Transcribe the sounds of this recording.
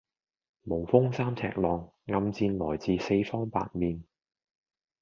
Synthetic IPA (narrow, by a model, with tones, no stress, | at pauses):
mo˨˩wfʊ˥ŋsaː˥mt͡sʰɛ̰ː˧k̚lɔː˨ŋːɐ˧mt͡siː˧nlɔː˨˩jt͡siː˨˧se˧jfɔː˥ŋpa̰ː˧t̚miː˨˧n